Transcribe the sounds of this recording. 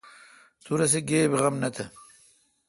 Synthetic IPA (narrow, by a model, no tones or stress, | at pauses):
t̪ʰuɾɐs̬eɡeːbeɣɐmnɐt̪ʰɐ